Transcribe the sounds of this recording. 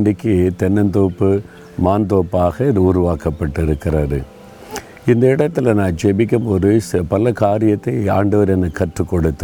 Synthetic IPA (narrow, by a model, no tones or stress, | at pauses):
ɳɖɪkːɯt̪ɛnːɐnt̪oːpːɯ | maːnt̪oːpːaːɣɐɪðʊɾʊʋaːkɐpːɐʈːɪɾɯkːɪrɐðɯ̰ | ɪnd̪ɐɪɽɐt̪ːɪlɐnãːnd͡ʒɛbɪk̬ʲːɯmpoːðɯspɐlɐkaːɾɪjɐt̪ːɐɪaːɳɖɐʋɐɾɛnːɐkːɐʈrɯkːɔɽɯt̪ːɯ